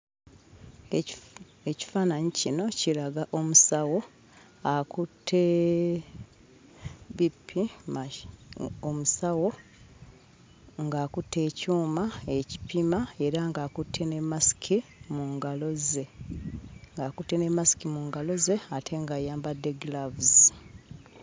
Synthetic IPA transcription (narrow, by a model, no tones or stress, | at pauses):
eci̥faːnaɲicino̞cilaɡaʔo̞musawo̞ | akutʰːe | βipʰːim | omusawo̞ | ŋɡaːkutːe̞ːcuːmae̞ci̥pimae̞ɾaŋɡaːkutʰːe̞ne̞masi̥kʰimuŋɡalo̞ze̞ | ŋɡaːkutːene̞masi̥kimuːŋɡalo̞ze̞atʰe̞ŋɡajaːmbade̞ɡlavuz